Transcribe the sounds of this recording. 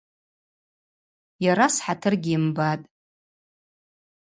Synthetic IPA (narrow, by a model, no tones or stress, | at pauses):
jaɾasħatʰɨrɡʲiimbatʼ